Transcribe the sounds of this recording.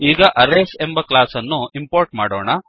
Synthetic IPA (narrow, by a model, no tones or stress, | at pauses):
iːɡɐʔɐɾeːse̞mbɐklaːsɐnːuimpoːɾʈmaːɽo̰ːɳɐ